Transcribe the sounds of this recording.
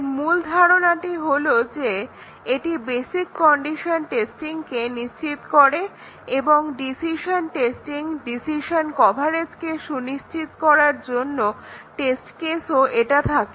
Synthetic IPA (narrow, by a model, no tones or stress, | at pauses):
muld̪ʱaɾonaʈiɦolod͡ʑe | eʈibesikːɔɳɖiʃonʈesʈiŋkeniʃt͡ɕit̪koɾe | eboŋɖisiʃonʈesʈiŋɖisiʃonkɔbʱaɾet͡ɕkeʃuniʃt͡ɕit̪kɔɾaɾd͡ʑonːoʈesʈkesoʔeʈat̪ʰake